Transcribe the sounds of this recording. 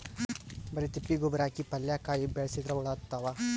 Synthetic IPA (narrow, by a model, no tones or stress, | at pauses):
bɐɾit̪ipːiɡubɐɾaːkipɐljakaːjibɛɭɐsid̪ɾɐuɭɐt̪ːɐʋa